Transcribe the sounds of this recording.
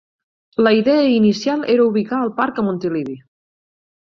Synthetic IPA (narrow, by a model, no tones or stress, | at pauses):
ləiðɛəinisjalˠeɾəuβ̞ikaːlˠpaɾkəmunt̪iliβi